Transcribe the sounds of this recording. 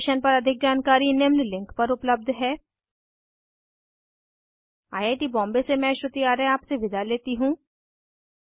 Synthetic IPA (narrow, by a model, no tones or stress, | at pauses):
ʃənpɐɾɐd̪ʱɪk̚d͡ʒaːnkaːɾinemlilɪ̃ŋkpɐɾʊpləb̚d̪ʱɦɛː | aːjaːʈibɔ̃ːmbesemɛ̃ʃɾʊt̪iaːɾəaːpseʋɪd̪ʱaleːt̪iɦũː